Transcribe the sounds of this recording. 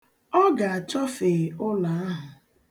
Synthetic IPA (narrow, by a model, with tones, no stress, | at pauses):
ɔ˦ɡa˨a˨t͡ʃɔ˦fe˨ʊ˦la˨a˦ɦʊ˨